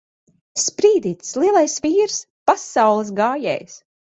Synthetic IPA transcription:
spɾiːd̪iːt̪slˠiɛlˠajsviːɾs | pasawlˠɨs̬ɡaːjɛ̰ːjs

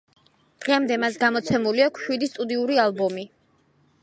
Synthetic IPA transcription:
d̪̥ʁɛmd̪ɛmasɡamɔt̪sʰɛmuliakʰʃwid̪ist̪ʼud̪iuɾialˠbɔmi

